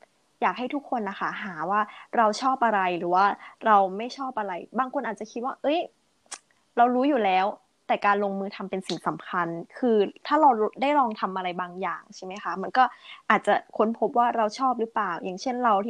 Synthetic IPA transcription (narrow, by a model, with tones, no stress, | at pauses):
jaː˨˩k̚ɦa˥˩jt̪ʰu˦˥kʰːo˧nʔa˧˩xa˦˥˩ɦaː˩˦waː˥˩ɾa˧wt͡ɕʰɔː˥˩p̚ʔa˧ɾa˧jɾɯː˩˦waː˥˩ɾa˧wma˥˩jt͡ɕʰɔː˥˩p̚ʔa˧ɾa˧jbaː˧ŋkʰo˧nʔaː˨˩t̪̚t͡ɕa˨˩kʰi˦t̪̚waː˥˩ʔɤ˦˥j | ɾa˧wɾuː˦˥juː˨˩lɛː˦˥w | t̪ɛː˨˩kaː˧nlo˧ŋmɯː˧t̪ʰa˧mpe˧nsi˨˩ŋsa˩˦mkʰa˧nkʰɯː˧t̪ʰaː˥˩ɾa˧wdaː˥˩jlɔː˧ŋt̪ʰa˧mʔa˧ɾa˧jbaː˧ŋjaː˨˩ŋt͡ɕʰa˥˩ma˦˥jxa˦˥ma˧nkɔː˥˩ʔaː˨˩t̪̚t͡ɕa˨˩kʰo˦˥npʰo˦˥p̚waː˥˩ɾa˧wt͡ɕʰɔː˥˩p̚ɾɯ˦˥plaː˨˩wjaː˨˩ŋt͡ɕʰe˥˩nɾa˧wt̪ʰi˥˩